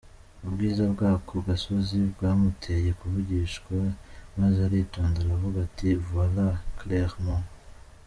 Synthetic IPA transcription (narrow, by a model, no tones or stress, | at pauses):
ubɡiːzabɡaːkʰoɡasozibɡaːmutʰeje̞kuβuɟiːʃɡwamazeaɾitoːndeɾavuɡativualakleʁmo